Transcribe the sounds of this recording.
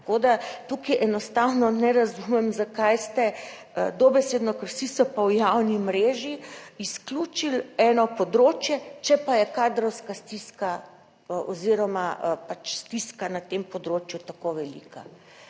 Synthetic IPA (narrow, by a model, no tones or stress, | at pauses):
t̪ḁkod̪at̪ukiʔɛnɔst̪awnɔnɛɾazumɛmzakajst̪ɛ | əd̪ɔbɛseːd̪nɔkəɾsisɔpawjawnimɾeːʒiisklʲuːt͡ʃilɛːnɔpɔd̪ɾoːt͡ʃjɛt͡ʃɛpajɛkaːd̪ɾɔwskast̪iska | ʔɔziɾɔmaəpat͡ʃst̪iskanat̪empɔd̪ɾoːt͡ʃjut̪akoʋɛlḭka̰